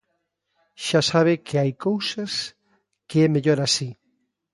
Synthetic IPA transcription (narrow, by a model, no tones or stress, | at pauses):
ʃasaβɪkʰeajkowsas | keɛmeʎoɾasi